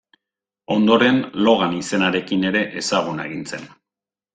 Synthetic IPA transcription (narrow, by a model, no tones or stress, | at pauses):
o̞nd̪o̞ɾe̞nlo̞ɣ̞anise̞naɾe̞kine̞ɾe̞ʔesaɣ̞uneɣ̞int͡se̞̰n